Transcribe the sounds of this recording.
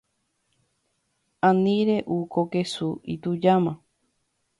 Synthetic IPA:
ãnĩɾeʔukokesuḭt̪ud͡ʒamã

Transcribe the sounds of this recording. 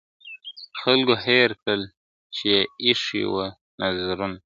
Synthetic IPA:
xalɡoɦeɾkəl | t͡ʃejeiʂḭwə | nazɾun

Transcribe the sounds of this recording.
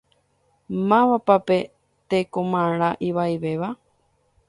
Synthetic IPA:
mãʋapape̞ | t̪ekõmãɾ̃ãʔiʋaiʋe̞ʋa

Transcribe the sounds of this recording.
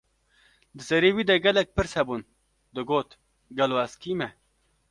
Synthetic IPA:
d̪əsɐɾiwid̪ɐɡɐlɐk̚pɨɾsɐbun | d̪oɡoːt̪ | ɡɐloaskime

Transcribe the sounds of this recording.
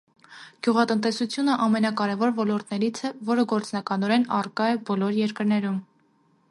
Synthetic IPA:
ɡ̥juʁɑt̪ənt̪ɛsut͡sʰjunəʔɑmɛnɑkɑɾɛvɔɾvɔlɔɾt̪nɛɾit͡sʰɛvɔɾəɡɔɾt͡snɑkɑnɔɾɛnɑrkɑɛbɔlɔɾjɛɾkəɾnɛɾum

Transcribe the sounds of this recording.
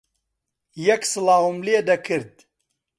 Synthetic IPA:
jɛksɨlaːwumleːd̪ɐkʰɨɾd̪̚

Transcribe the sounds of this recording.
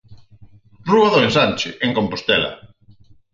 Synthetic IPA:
ruaðoensant͡ʃɪʔeŋkompost̪ɛla̰

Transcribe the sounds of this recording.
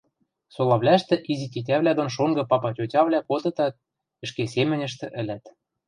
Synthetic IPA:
solɑβlʲæʃt̪ɘ̆ʔizit̪ʲitʲæβlʲæd̪onʃ̬oŋɡɤ̆pɑpɑtʲotʲɑβlʲækot̪ɤ̆t̪ɑt̪̚ | ɘ̆ʃkesemɘ̆nʲɘ̆ʃt̪ɘ̆ʔɘ̆lʲæt̪

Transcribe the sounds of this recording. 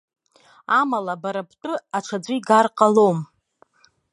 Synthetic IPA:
amalabaɾapʰtʼɨaʈ͡ʂʰad͡zʷijɡarqʼalom

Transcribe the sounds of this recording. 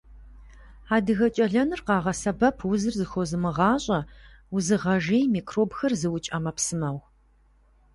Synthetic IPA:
aːdɨɣɐt͡ʃʼɐɮɐnɨrqɑːʁɐsɐbɐpʰwʊzɨrzɨxʷɔzɨmɨʁɑːɕʼɐwʊzɨʁɐʒeːjmiːkʰroːbxɐrzɨwʊt͡ʃʼɐmɐpsɨmɐw

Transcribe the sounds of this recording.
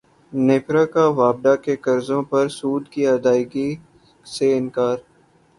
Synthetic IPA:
neːpɾakaʋaːb̚d̪akekɐɾzõpɐɾsuːd̪kiɐd̪aːɪɡi | seɪnkaːɾ

